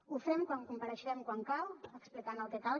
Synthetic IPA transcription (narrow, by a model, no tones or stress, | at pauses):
ufɾɛmkwaŋkumpaɾəʃɛmkwaŋkaləksplikanalˠt̪et̪al